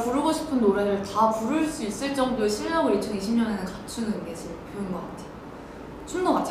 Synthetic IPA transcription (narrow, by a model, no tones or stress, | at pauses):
puɾɯɡoɕʰi̥pʰɯnːoɾeɾɯɭtapuɾɯɭs͈uis͈ɯɭt͡ɕ͈ʌŋdoɕʰiɭːaɡoit͡ɕʰʌniɕʰimɲʌne̞nɯnkat͡ɕʰunɯnɡed͡ʑʰipjoɯnɡʌk͈atʰe̥jo | t͡ɕʰundoɡat͡ɕʰ